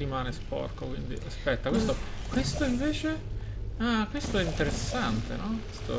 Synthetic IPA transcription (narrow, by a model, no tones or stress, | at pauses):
imaːnespɔ̰rkokwind̪ḭʔaspɛt̪ːakwest̪o | kwest̪oiɱveːt͡ʃe | akwest̪oɛint̪eɾesːant̪ḛnɔkwest̪o̰